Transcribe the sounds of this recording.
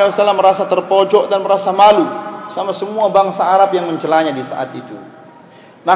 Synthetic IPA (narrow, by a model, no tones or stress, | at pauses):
salamːəɾasat̪ərpɔd͡ʒɔʔdanməɾasamalusamasəmuabaŋsaːɾapjaŋməɲt͡ʃəlaɲadisa̰ʔa̰t̪ḭt̪ṵ | na